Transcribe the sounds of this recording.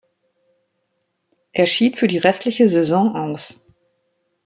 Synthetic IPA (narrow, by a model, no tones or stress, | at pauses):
ʔeːɐʃiːtfyːɐdiːʁɛstʰlɪçəzɛzɔ̃ːʔaʊs